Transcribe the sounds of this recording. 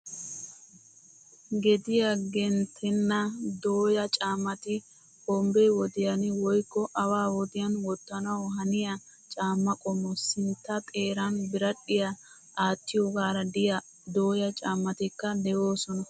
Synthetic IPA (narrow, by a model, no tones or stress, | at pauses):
ɡɛd̪ɪjɐɡɛnt̪ʰɛnːɐd̪oːjɐt͡ʃʼaːmːɐt̪ɪ | kɔmbɛwɔd̪ɪjɐnɪwɔjkːɔʔɐwaːwɔd̪ɪjɐnwɔt̪ːɐnɐwɔɦɐnɪjɐ | t͡ʃʼaːmːɐkʼɔmːɔsɪnt̪ːɐtʼeːɾɐnbɪɾɐɗːɪjɐ | aːt̪ːɪjɔɡaːɾɐd̪ɪjɐ | d̪o̞ːjɐt͡ʃʼaːmːɐt̪ɪkːɐd̪ɛjo̞ːsɔnɐ